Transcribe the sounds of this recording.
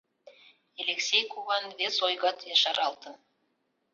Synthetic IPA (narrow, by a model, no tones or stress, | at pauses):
elʲeksʲejkuβɑnvesojɣɑt̪jɑʃɑɾɑlˠt̪ən